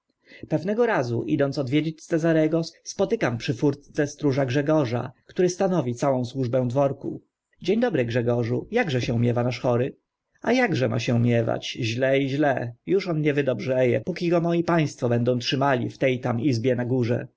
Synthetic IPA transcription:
pɛvnɛɡɔɾazuʔḭd̪ɔnt̪sɔd̪vʲjed͡ʑet͡ɕʲssɛzaɾɛɡɔspɔt̪ɘkampʂɘfuɾt̪t̪sɛst̪ɾuʐaɡʐɛɡɔʐa̰kt̪uɾɘst̪anɔvʲit̪sawɔ̃w̃swuʐbɛ̃w̃d̪vɔɾkṵ | d͡ʑeɲd̪ɔbɾɘɡʐɛɡɔʐujaɡʐɛɕɛumʲjɛvanaʂxɔɾɘ | ajaɡʐɛma̰ɕɛumʲjɛva̰t͡ɕʑlɛiʑlɛjuʂɔnɲɛvɘd̪ɔbʐɛjɛ̰pukʲiɡɔmɔjipaj̃st̪fɔbɛnd̪ɔ̃w̃tʂɘmalʲḭft̪ɛjt̪amizbʲjɛnaɡuʐɛ̰

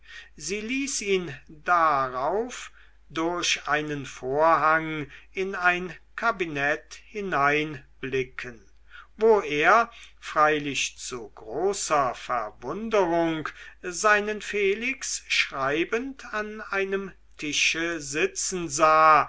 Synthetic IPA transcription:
ziːliːsiːndaʁaʊf | dʊɐɕʔaɪnənfoːɐɦaŋɪnaɪnkʰabinɛthɪnaɪnb̥lɪkʰən | voːeːɐfʁ̥aɪlɪʃt͡suɡʁoːsɐfɛ̰ɐvʊndəʁʊŋkzaɪnənfeːlɪksʃʁ̥aɪbəntʰanaɪnəm | tʰɪʃəzɪt͡sn̩zaː

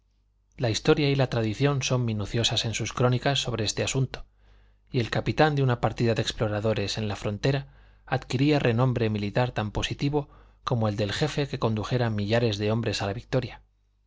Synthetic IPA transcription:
laist̪o̞ɾjailat̪ɾaðiθjo̞nso̞mːĩnuθjo̞sase̞nsuskɾo̞nikasːo̞β̞ɾe̞est̪e̞asunt̪o | ie̞lkapit̪and̪eunapaɾt̪iðaðe̞ksplo̞ɾaðo̞ɾe̞se̞nlafɾo̞nt̪e̞ɾa | að̥kiɾiarʔe̞nõ̞mbɾe̞milit̪aɾt̪ampo̞sit̪iβo̞ | ko̞moe̞ld̪e̞lxe̞fe̞ke̞ko̞nd̪uxe̞ɾamːiʎaɾe̞zðe̞o̞mbɾe̞salaβik̚t̪o̞ɾja

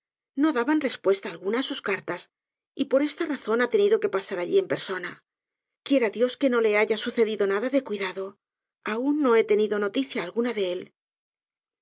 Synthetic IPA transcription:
no̞ðaβanre̞spwe̞st̪aːlɣunaːsuskaɾt̪as | ipo̞ɾe̞st̪araθo̞nat̪e̞niðo̞ke̞pasaɾaʎie̞mpe̞ɾso̞na | kje̞ɾaðjo̞ske̞no̞le̞aʝasuθe̞ðiðo̞naðaðe̞kwiðaðo̞ | aunːo̞e̞t̪e̞niðo̞no̞t̪iθjaːlɣunaðe̞el

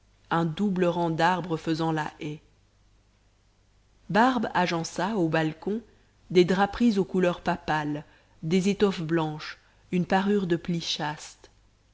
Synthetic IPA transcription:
ɛ̃d̪ubləʁɑ̃d̪aʁbʁəfəzɑ̃laʔɛ | baʁbaʒɑ̃saobalkɔ̃ | d̪ed̪ʁapχizokulœʁpapal | d̪ezet̪ɔfblɑ̃ʃ | ynpaʁyʁd̪əpliʃast̪

